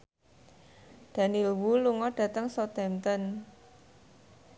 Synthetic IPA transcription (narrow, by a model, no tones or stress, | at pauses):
d̪̥ä̤nilwuluŋɔɖ̥ä̤t̪əŋsɔt̪ɛmt̪ən